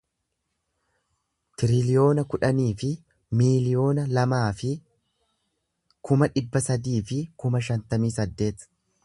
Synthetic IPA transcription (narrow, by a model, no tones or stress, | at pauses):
t̪ɪɾɪlɪjo̞ːnɐkʊᶑɐniːfɪ | miːlɪjo̞ːnɐlɐmaːfɪ | kʰʊmɐᶑɪbːɐsɐd̪iːfɪkʊmɐʃ̬ɐnt̪ɐmiːsɐd̪ːe̞ːt̪